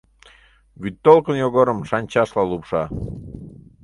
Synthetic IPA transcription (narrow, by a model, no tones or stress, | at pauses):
βyt̪ːolˠkənjoɣoɾəmʃɑnʲt͡ɕɑʃlɑlupʃɑ